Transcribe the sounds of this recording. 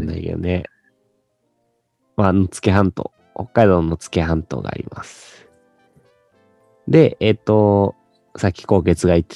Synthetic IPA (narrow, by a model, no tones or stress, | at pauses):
na̰io̰ne | maːnot͡sɨ̥ke̞ɦãnt̪o̰ː | ho̞kːaid̪ononːot͡sɨ̥ke̞hãnt̪o̰ːɡa̰ːɾʲḭma̰sɨ̥ | d̪e̞et̪ːo̞ | sakʲːi̥ko̞ːke̞t͡sɨɡait̪ːe̥